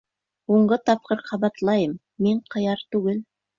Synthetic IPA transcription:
woɴɢət̪ʰɑp̚qəɾqʰɑbɑt̪lˠɑjəmːeɴqʰɑjɑɾt̪ʉɡɪl

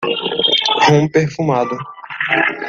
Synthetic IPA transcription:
hũmpeɾfũmad̪ʊ

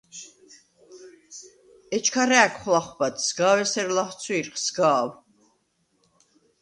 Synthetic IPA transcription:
ɛt͡ʃʰkʰaɾɛːkʰχlaχbat̪ʰsɡaːwɛsɛɾlaχt̪sʰwiːɾχʰsɡaːw

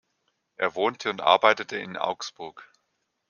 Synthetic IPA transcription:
ʔeːɐvoːntʰəʊntʔa̰ɐbaɪtətʰəɪ̰nʔa̰ʊksb̥ʊɐk

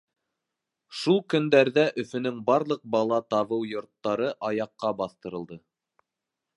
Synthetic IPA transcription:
ʃulˠkɵ̆nd̪æɾðæʔɵ̆fɵ̆nɵŋbɑɾlˠɤq̚bɑlˠɑt̪ɑβɤwjŏɾt̪ːɑɾɤʔɑjɑqːɑbɑθt̪ɤ̆ɾɤ̆lˠd̪ɤ

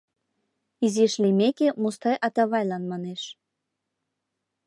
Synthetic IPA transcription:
iziʃlimekemust̪ɑjʔɑt̪ɑβɑjlɑnmɑneʃ

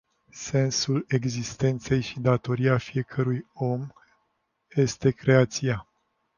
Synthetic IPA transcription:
se̞nsule̞ɡzist̪e̞nt̪se̞jʃid̪at̪o̞ɾiafije̞kʰəɾujo̞m | je̞st̪e̞kɾe̞at̪sia

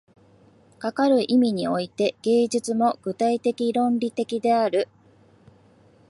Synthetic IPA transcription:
kakaɾɯ̟ʔimʲiɲ̟io̞it̪e̞ɡ̥e̞ːʑɨt͡sɨmo̞ɡ̥ɯ̟t̪ait̪e̞kʲiɾõ̞nɾʲit̪e̞kʲid̪e̞aɾɯ̟

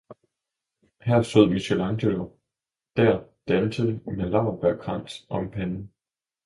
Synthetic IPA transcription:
hæɐ̰so̝ð̰ˠmiɕelɑ̈ŋd̥ʰølo | d̥æɐ̰d̥ænsəmælɑ̈ʊb̥æɐ̰kʰʁɑn̰d̥ʔɒ̽mpʰænn̩

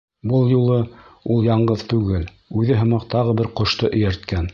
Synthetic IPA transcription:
bɤlˠjulˠɤulˠjɑɴɢɤðt̪ʉɡɘl | ʉðɘɦɤ̆mɑq̚t̪ɑʁɤbɘɾqŏʃt̪ɤʔɵ̆jæɾt̪kæn

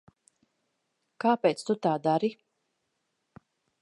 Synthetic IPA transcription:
kaːpejt̪st̪ut̪aːd̪aɾi

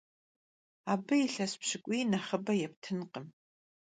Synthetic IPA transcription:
aːbɨiɬɐspɕɪkʷʼinɐχəbɐjɛp̚tʰɨnqʼəm

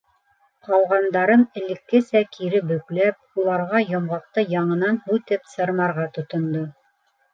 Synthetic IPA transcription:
qɑlˠʁɑnd̪ɑɾɤnɘ̆lɘ̆kːɘsækʰiɾɘbɵ̆klæp̚ulˠɑɾʁɑjŏmʁɑq̚t̪ɤjɑɴɤ̆nɑnhʉt̪ɘpsɤ̆ɾmɑɾʁɑt̪ŏt̪ŏnd̪o

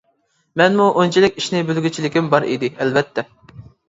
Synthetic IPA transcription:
mɛnmuʔont͡ʃʰilɪkʲiʃnɪbølɡʲyt͡ʃʰilɪkʲimbɑɾḭd̪ɪɛlvɛt̪ʰːɛ

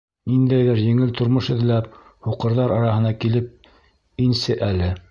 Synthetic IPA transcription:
nind̪æjðɘɾjɘ̆ŋɘlt̪ŏɾmoʃɘ̆ðlæp̚ | huqɤ̆ɾðɑɾɑɾɑhɤ̆nɑkilɘp̚ | insɘʔælɘ

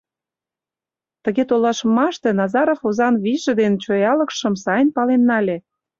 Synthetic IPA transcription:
t̪əɣet̪olɑʃmɑʃt̪enɑzɑɾofozɑnβiʒə̆d̪ent͡ɕojɑlə̆kʃə̆msɑjnpɑlenːɑlʲe

